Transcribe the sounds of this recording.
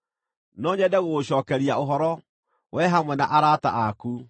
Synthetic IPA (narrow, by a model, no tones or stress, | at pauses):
nɔɲɛdɛɣoɕɔːkɛɾiaoɦɔɾɔ | wʔɛɦamwɛnaʔaɾata̰ʔaku